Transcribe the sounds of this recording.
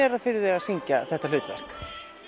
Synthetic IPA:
ɛɾaðfɪɾðɪɛɣaðsiɲcaθɛht̪alʏːt̪vɛ̰r̥k

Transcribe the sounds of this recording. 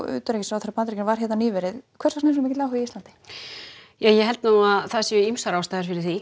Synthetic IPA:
ʏ̰ːt̪ɾecɪsawθɛɾapant̪ɾɛkcɪnvaɾ̥çɛt̪naniːvɛɾɪðkʰvɛɾsasnɛs̬nʏmɛcɪtlawɦʏviist̪lant̪ɪ̥ | jaːjɛɦɛlt̪naːaðθasjʏimsaɾaːwst̪aːðɪɾfɪɾɪ̥ɾ̥θi

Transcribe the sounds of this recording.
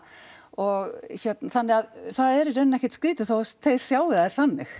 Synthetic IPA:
ɔɣçɛt̪nθanːɪɣaðθaðɛɾʏrœnːɛhcɛ̥t̪skɾiːt̪ʏθowsθejɾ̥sjaːwɪðaɛɾ̥θanːɪx

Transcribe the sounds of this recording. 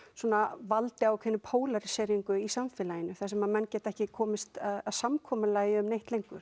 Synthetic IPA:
suɔːnavalt̪ɪawkʰvɛnːʏpʰoːwlaɾɪsɛːɾiŋkʏisamfɛːlajɪnːʏθasɛmːaðmɛnːcɛːt̪ɛhcɪkʰɔːmɪst̪aðaðsamkʰɔːmʏlaɣjɪʏmnejht̪lejŋkʏɾ̥

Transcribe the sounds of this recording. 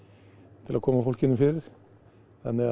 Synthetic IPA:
t̪ʰɪloːkʰɔməfɔlkənəfyɾ | ɛnə

